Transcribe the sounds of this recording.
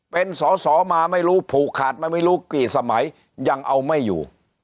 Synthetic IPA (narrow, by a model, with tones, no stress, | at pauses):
pe˧nsɔː˨˩˦sɔː˨˩˦maː˧ma˥˩jɾuː˦˥pʰuː˨˩kʰːaː˨˩t̪̚maː˧jma˥˩jɾuː˦˥kiː˨˩t̚sa˧ma˩˦j | ja˧ŋʔa˧wma˥˩jːṵː˨˩